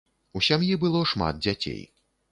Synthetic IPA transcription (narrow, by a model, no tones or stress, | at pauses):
usʲamjibɨlˠɔʂma̰d̪̚d͡zʲat͡sʲḛj